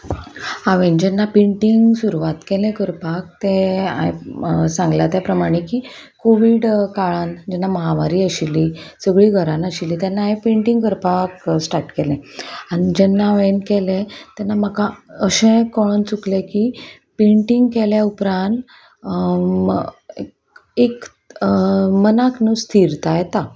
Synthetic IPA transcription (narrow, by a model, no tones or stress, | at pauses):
aʋẽnd͡ʑɛnːapẽɳʈiŋɡsuɾuʋat̪kɛlẽkəɾpak̚t̪ẽa̰ɦḛsãŋɡlat̪japɾəmaɽ̃ekiː | koʋiːɖkaɭãnd͡ʑɛnːaməɦamaɾiːəɕilisəɡɭiːɡʱəɾãnəɕilːiːt̪janːaɦẽpeɳʈiŋɡkəɾpaksʈaɾʈkɛlɛ̃añid͡ʑɛnːaʋenkɛlɛ̃t̪janːaməkãəɕẽkɔɭont͡suklẽki | peɳʈiŋɡkɛljaupɾãnt̪ | e | ek | mənaknust̪ʰiɾt̪ajɛt̪a